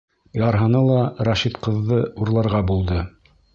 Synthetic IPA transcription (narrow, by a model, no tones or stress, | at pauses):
jɑɾɦɤ̆nɤlˠɑɾɑʃit̪qɤ̆ðːɤuɾlˠɑɾʁɑbulˠd̪ɤ